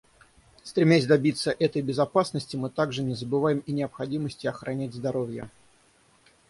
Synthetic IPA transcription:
st̪ɾʲɪmʲæsʲd̪ɐbʲit̪sːəʔɛt̪əjbʲɪzɐpasnəsʲtʲɪmɨt̪aɡʐɨnʲɪzəbɨvajɪminʲɪəpxɐdʲiməsʲtʲɪɐxɾɐnʲætʲzd̪ɐɾo̞vʲjə̰

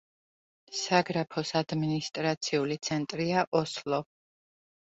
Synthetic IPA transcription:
saɡɾapʰɔsad̪minist̪ʼɾat̪sʰiulit̪sʰɛnt̪ʼɾiaʔɔslˠɔ

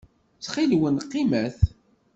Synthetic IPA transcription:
t͡sχilwənqːimæθ

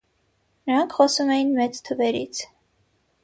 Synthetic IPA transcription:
nəɾɑŋkʰχɔsumɛjinmɛt͡st̪ʰəvɛɾḭt͡sʰ

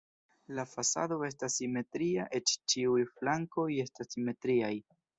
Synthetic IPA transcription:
lafasa̰do̞e̞stasːime̞tɾiaʔe̞t͡ʃt͡ʃiujflaŋko̞je̞stasime̞tɾiaj

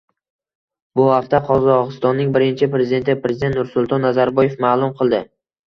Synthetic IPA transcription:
bʊhaq̚t̪aqʰɒzɒʁɨst̪ɒnːɪŋbɪɾɪnt͡ʃʰɪpɾe̞zɪd̪e̞nt̪ɪpɾezɪd̪ent̪nʊɾsʊlˠt̪ʰɒnːazaɾbɒjefmaːlˠʊmqʰɨlˠd̪ɪ

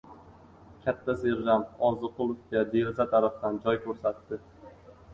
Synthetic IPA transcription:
kʲʰat̪ʰːaseɾʒamt̪ɒzɨqʰʊlˠʊfkʲad̪e̞ɾɪzat̪ʰaɾafd̪and͡ʒɒjkʰʲɵɾsat̪ːɪ

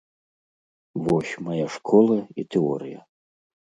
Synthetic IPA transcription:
vɔɕʲmajaʂkʰɔlˠɐit̪ɛɔ̰ɾɨjɐ̰

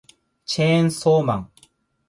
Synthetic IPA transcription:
t͡ɕʰensomaŋ

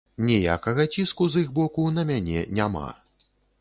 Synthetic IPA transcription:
nʲɛja̰kɐɣɐt͡sʲiskuziɣbɔkunɐmʲanʲɛ̰nʲama̰

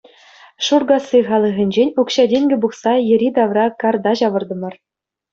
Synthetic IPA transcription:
ʂurɡɑsːiχɑlˠɤ̆ʁʲɘ̆nʲd͡ʑenʲukɕɑdʲeŋʲɡʲɘ̆buχsɑjɘ̆ɾʲid̪ɑʋrɑkɑrd̪ɑʑɑʋɤ̆rd̪ɤ̆mɤ̆r

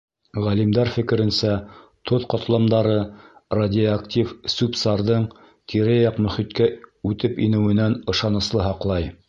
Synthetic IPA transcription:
ʁælimd̪æɾfɘ̆kɘ̆ɾɘ̆nsæt̪ʰoðqot̪lˠɑmd̪ɑɾɤradʲɪoakt̪ʲifsupsɑɾðɤɴ | t̪ʰiɾɘjɑqmɵ̆χit̪kæʉt̪ɘpinɘ̆wɘ̆nænɤ̆ʃɑnɤ̆slˠɤɦɑqlˠɑj

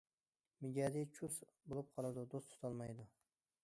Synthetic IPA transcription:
mɪɡʲad̪it͡ʃʰʊsbolˠɪp̚qʰɑlˠad̪ʊd̪ost̪ʰʊ̥t̪ʰɒlˠmajd̪ʊ

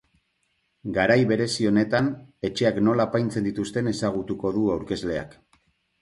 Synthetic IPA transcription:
ɡaɾajβe̞ɾe̞sio̞ne̞t̪ane̞t͡ʃe̞akno̞laːpajnt͡se̞nd̪it̪ust̪e̞ne̞saɣ̞ut̪uko̞ðuawɾke̞zle̞a̰k

